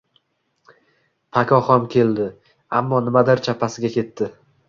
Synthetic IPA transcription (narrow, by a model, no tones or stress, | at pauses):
pʰakʰʲɒχɒmkʲʰe̞ld̪ɪ | a̰mːɒnɪmad̪ɪɾt͡ʃʰapʰasɪɡʲakʲʰe̞t̪ːɪ